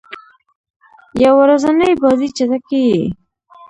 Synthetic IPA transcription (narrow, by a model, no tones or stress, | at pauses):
jawaɾazanəjbɑzit͡ʃat̪akei